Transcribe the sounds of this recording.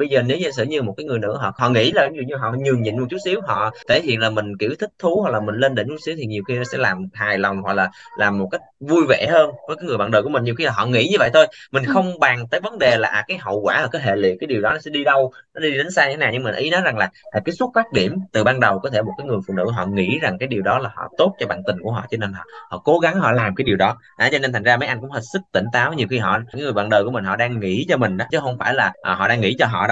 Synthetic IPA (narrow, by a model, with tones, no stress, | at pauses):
ɓə˧jzəː˨˩ne˨˦wɲə˧sɨ̰˧˨ɲɨ˧mo˨˩t̚kaː˨˦jŋɨ˨˩əjnɨ̰˧˥ɦɔ̰˧˨ɦɔ̰˧˨ŋḭ˧˥laː˨˩˦zṵ˧˨ɲɨ˧ɦɔ̰˧˨ɲɨ˨˩əŋɲḭ˧˨nm̚˧˨˩t͡ɕu˦˥t̚si˨˦əwɦɔ̰˧˨t̪ʰe˧˩hḭ˧˨ənlaː˨˩mï˨˩ŋ̟ki˧˩əwt̪ʰï˦˥k̚t̪ʰu˨˦hɔ˨˩k̚laː˨˩mï˨˩ŋ̟le˧nɗe˨˦nt͡ɕu˦˥t̚si˨˦wt̪ʰi˨˩ɲi˨˩əwxi˧nɔ˨˦sɛ̰˧˥laː˨˩mhaː˨˩jla˨˩wŋ͡mɦwa˨˩k̚laː˨˩laː˨˩mːo˨˩t̚ka˦˥jk̚vu˧jvḛ˧˨həː˧nvəː˨˦jkaː˨˦ŋ˨˩jɓaː˧˨nɗəː˨˩km˨˩ŋ̟ɲi˨˩xi˧laː˨˩ɔ̰˧˨ŋḭ˧˥ɲɨ˧və̰˧˨jt̪ʰo˧jmï˨˩ŋ̟xə˧wŋ͡mɓaː˨˩ŋt̪əː˨˦jvə˨˦nɗe˨˩la̰ː˨ʔkaː˨˦jɦə̰˧˨wkwaː˧˩haː˨˩kaː˨˦jɦḛ˧˨lḭ˧˨kaː˨˦jɗi˨˩əwɗɔ˨˦nɔ˨˦sɛ̰˧˥ɗi˧ɗə˧wnɔ˨˦ɗi˧ɗe˨˦n̟saː˧ɲɨ˧tʰe˨˦naː˨˩ɲɨ˧ŋ͡mmi˨˩nʔi˨˦nɔ˨˦jza˨˩ŋlaː˨˩ʔːkaː˨˦jsu˦˥t̚faː˦˥k̚ɗi˧˩əmt̪ɨ˨˩ɓaː˧nɗə˨˩wkɔ˨˦t̪ʰe˧˩mo˨˩t̚kaː˨˦ŋɨ˨˩əjfṵ˧˨nɨ̰˧˥˧ɦɔ̰˧˨ŋḭ˧˥za˨˩ŋkaː˨˦jɗi˨˩əwɗɔ˨˦laː˨˩hɔ̰˧˨t̪o˦˥t̚t͡ɕɔ˧ɓa̰ː˧˨nt̪ï˨˩ŋ̟ku˧˩əɦɔ̰˧˨t͡ɕɔ˧ne˧nhɔ̰˧˨˩hɔ̰˧˨ko˨˦ɣa˨˦ŋɦɔ̰˧˨laː˨˩mkaː˨˦jɗi˨˩əwɗɔ˨˦ | ʔa˨˦t͡ɕɔ˧ne˧nt̪̟ʰzaː˧mə˨˦jʔa˧jŋkŋ͡mheː˨˩t̚sɨ˦˥k̚t̪ï˧˩ŋ̟t̪aː˨˦wɲi˨˩əxi˧ɦɔ̰˧˨aː˨˦ŋɨ˨˩jɓaː˧˨nɗəː˨˩jku˧˩əmï˨˩ŋ̟ɦɔ̰˧˨ɗaː˧ŋːḭ˧˥t͡ɕɔ˧mï˨˩ŋ̟ɗɔ˨˦t͡ɕɨ˨˦xə˧wŋ͡mfaː˧˩jlaː˨˩ʔɦɔ̰˧˨ɗaː˧ŋːḭ˧˥t͡ɕɔ˧ɦɔ̰˧˨ɗ